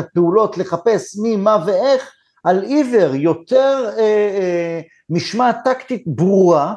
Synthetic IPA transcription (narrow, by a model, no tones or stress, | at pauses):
apeulo̞t̪le̞χape̞smimaveeχ | ʔalive̞ʁjo̞t̪e̞ʁe | miʃmat̪akt̪it̪bʁua